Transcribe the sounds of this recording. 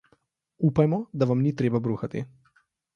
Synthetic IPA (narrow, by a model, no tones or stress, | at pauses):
uːpajmɔd̪aʋamnit̪ɾeːbabɾuːxat̪ḭ